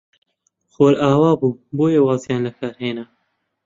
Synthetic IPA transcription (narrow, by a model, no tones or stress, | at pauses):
xoːɾaːwaːbuːboːjewɑːzijɑːnlɐkʰaːɾheːnɐ